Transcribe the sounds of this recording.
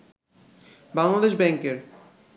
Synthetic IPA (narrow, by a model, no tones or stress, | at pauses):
baŋlad̪eʃbɛŋkeɾ